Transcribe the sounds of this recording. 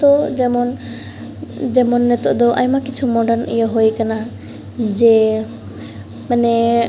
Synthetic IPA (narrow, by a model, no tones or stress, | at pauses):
t̪ɔd͡ʒɛmɔn | d͡ʒɛmɔnːɛt̪ɔʔd̪ɔʔa̰jmakit͡ʃʰumɔɖaɾnijɔɦojkana | d͡ʒɛ | manɛ